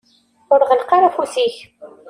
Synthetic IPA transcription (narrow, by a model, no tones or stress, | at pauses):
ʊɾʁəlqɑɾˤæfusiç